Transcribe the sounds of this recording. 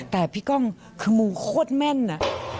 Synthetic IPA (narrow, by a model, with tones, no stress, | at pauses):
t̪ɛː˨˩pʰiː˦˥˩kɔ˥˩ŋ | kʰɯː˧muː˧kʰoː˥˨t̪̚mɛ˧˥˩nːa˧